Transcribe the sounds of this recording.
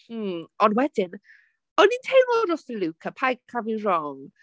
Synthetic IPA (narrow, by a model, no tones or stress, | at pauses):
ɔnwɛdɪn | ɔnintʰejmɔɾɔsəlukʰapʰajɡkʰavirɔŋ